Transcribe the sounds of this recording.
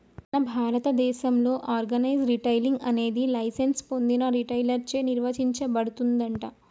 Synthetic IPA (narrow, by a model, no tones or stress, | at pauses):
nɐbʱaːɾɐt̪ɐd̪ɛːʃɐmlo̞ːʔaːɾɡɐnɐjd͡ʒɾiʈɐjliŋɡɐne̞ːd̪ilɐjsenspo̞nd̪inɐɾiʈɐjlɐɾt͡ʃe̞ːniɾʋɐt͡ʃiɲt͡ʃɐbɐɽut̪und̪ɐɳʈɐ